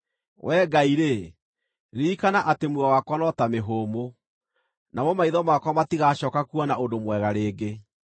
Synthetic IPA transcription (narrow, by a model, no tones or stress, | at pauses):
wʔɛːɡaiɾe | ɾiːkanaʔatemwawakwanɔtameɦoːmo | namɔmaiðɔmakwamatiɣaɕɔkakuɔnaodomwɛɣaɾeːɡe